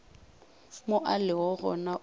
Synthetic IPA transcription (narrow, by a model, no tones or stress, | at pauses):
moʔalɪwɔɣɔ̰na